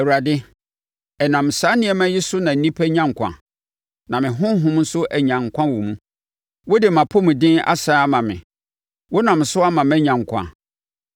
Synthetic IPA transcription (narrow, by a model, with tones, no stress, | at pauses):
ɛ˨u˨ɾa˨dɪ˦ | ɛ˨nã˨m̩˨saː˨˦nɪ̃˦ɛ˦mã˦jɪ˦sʊ˦nã˨n̩˨˦nĩ˦pʰæ˦ɲã˦ŋ˨kʷʰã̰˨ | nã˨mɪ̃˨ɦʊ̃˦ɦʊ̃˦mn̩˦sʊ˦ʔæ˨ɲã˨ŋ˨kʷʰã˦wɔ˨mũ˦ | wɔ˦dɪ˨mã˨pʰʊ˦mʊ̃˨dɪ̃˦a̰˦saː˦a˦mã˨mɪ̰̃˨ | wɔ˦nã˨m̩˨sʊ˦a˦mã˨mɛ̃˦ɲã˨ŋ̩˨kʷʰã̰˨